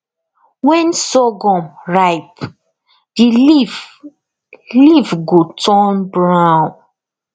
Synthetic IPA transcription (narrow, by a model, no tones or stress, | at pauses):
wɛ̃nsɔɡɔ̃mɹaɪp | di | livɡotʰɔ̃nbɹãw̃n